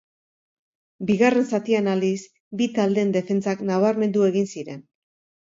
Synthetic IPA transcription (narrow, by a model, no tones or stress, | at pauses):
biɣare̞nsat̪ianalis | bit̪ald̪e̞nd̪e̞fe̞nt͡saknaβ̞aɾme̞nd̪ue̞ɣinsiɾe̞n